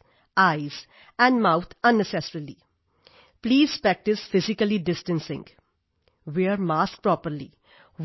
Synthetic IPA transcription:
aɪz̥ | ɛ̃ɳɖmaʊt̪ʰə̃nːɛsɛsɾili | pliːz̥pɾæk̚ʈɪsfɪzɪkəliɖɪsʈə̃nsɪ̰̃ŋɡ | ʋiaɾmaːsk̚pɾɔːpəɾlḭ

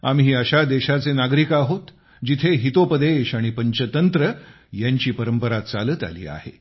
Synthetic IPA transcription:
a̰mɦiːəɕad̪eɕat͡senaɡɾikːɦot̪ | d͡ʑit̪ʰeɦit̪opəd̪eɕaɽ̃ipəɲt͡ɕət̪ənt̪ɾə | jaɲt͡ɕiːpəɾəmpəɾat̪t͡salət̪a̰lḭːa̰hḛ

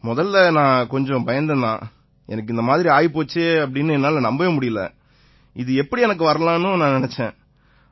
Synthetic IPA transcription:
mɔðɐlːɐnãːkɔɲd͡ʒɔ̃pɐjɐnd̪ɐnã̰ː | ɛ̰nɐk̬ːɯɪnd̪ɐmaːðɪɾiaːjpoːt͡ʃːeːɐp̬ːɐɽɪnːɯɛnːaːlɐnɐmbɐjɐmʊɽɪjɯlɐ̰ | ɪðɯɛpːɐɽiɛnɐk̬ːɯʋɐɾɐlãːnʊ̃nãːnɪnɛt͡ʃːẽː

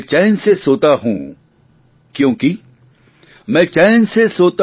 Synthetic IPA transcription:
t͡ʃɛːnsesoːt̪aɦṵ̃ː | kjõːki | mɛ̃ːt͡ʃɛːnsesoːt̪

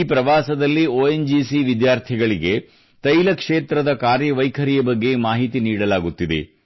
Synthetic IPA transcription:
pɾɐʋaːsɐd̪ɐlːioːend͡ʒiːsiʋid̪jaːɾt̪ʰiɡɐɭiɡe̞ | t̪ɐjlɐkʂeːt̪ɾɐd̪ɐkaːɾjɐʋɐjkʰɐɾijɐbɐɡːe̞maːɦit̪iniːɽɐlaːɡut̪ːid̪e̞̰

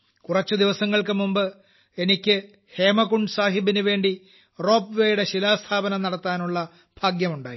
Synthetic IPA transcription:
kurɐt͡ɕːɨd̪iʋɐsɐŋːɐɭkɨmumbɨ | e̞nikʲːɨ | he̞ːmɐkuɳɖsaːɦibinuʋe̞ːɳɖi | ro̞ːpːʋeːjuɽe̞ɕilaːst̪ʰaːbɐnɐmnɐɽɐt̪ːaːnuɭːɐ | b̥ʱaːɡjɐmuɳɖaːji

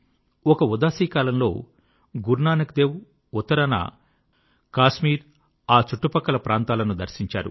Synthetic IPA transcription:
ɔkɐud̪aːsiːkaːlɐnlo̞̰ː | ɡuɾnaːnɐk̚d̪eːwu | ɔt̪ːɐɾɐnɐ̰ | kaːʃmiːɾ | aːt͡ʃuʈːupɐkːɐlɐpɾaːnt̪aːlɐnud̪ɐɾsiɲt͡ʃa̰ːɾṵ

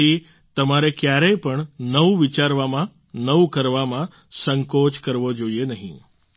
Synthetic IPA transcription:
i | t̪əmaɾekjaɾəjpəɳnəuʋit͡ʃaɾʋamã | nəũkəɾʋamã | səŋkot͡ʃkəɾʋod͡ʒoienəɦḭ̃

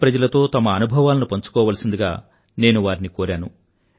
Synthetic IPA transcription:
pɾɐd͡ʒɐlɐt̪o̞ːt̪ɐmɐːnubʱɐʋaːlɐnupɐɲt͡ʃu̥kɔːʋaːlɐsind̪iɡa̰ː | ne̞ːnuʋaːɾinikoːɾaːnu

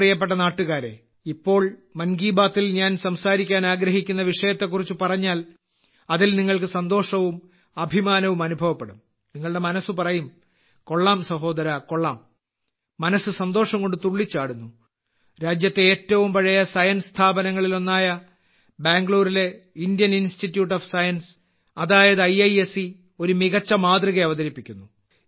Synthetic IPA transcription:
rijɐp̬ːe̞ʈ̬ːɐnaːʈːuɣaːɾe̞̰ | ipːo̞ːɭmɐnɡiːbaːt̪ːilɲaːnsɐmsaːɾikʲːaːnaːɡɾɐɦikʲːunːɐʋiʂɐjɐt̪ːe̞k̬ːurit͡ɕːupɐrɐɲːaːl | ɐðilniŋːɐɭkɨsɐnd̪o̞ːʂɐʋum | ɐbʱimaːnɐʋumɐnubʱɐʋɐpːe̞ɽum | niŋːɐɭɽe̞mɐnɐsːɨpɐrɐjum | ko̞ɭːaːmsɐɦo̞ːd̪ɐɾɐko̞ɭːaːmː | ɐnɐsɨsɐnd̪o̞ːʂɐŋko̞ɳɖɨt̪uɭːit͡ɕːaːɽunːu | ɾaːd͡ʑjɐt̪ːeeːtːɐʋumpɐɻɐjɐsɐjɐnst̪ʰaːbɐnɐŋːɐɭilo̞nːaːjɐ | baːŋɡɭuːrile̞indjɐninstitːjuːʈːɐːfsɐjɐns | ɐðaːjɐðɨɐjɐjesi | o̞ɾumiɣɐt͡ɕːɐmaːd̪riɣɐɐʋɐðɐɾipːikʲːunːu

